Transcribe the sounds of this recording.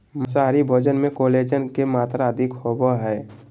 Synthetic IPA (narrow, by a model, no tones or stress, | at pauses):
məs̬aːɾibʱod͡ʒənmẽkoled͡ʒənkemaːt̪ɾaəd̪ʱɪkhobaɦɛː